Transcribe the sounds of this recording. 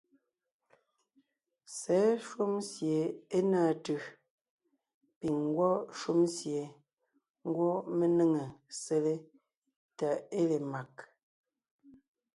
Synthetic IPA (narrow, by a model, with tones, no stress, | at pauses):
sɛ˨˦ʃwu˦msje˨e˦naː˦˨tɯ˨ | pi˨ŋ˦ɡwɔ˦ʃu˦msje˨ | ŋ˦ɡwɔ˦me˦nə˦ŋə˨se˦le˦ | ta˨e˦le˨ma˨k̚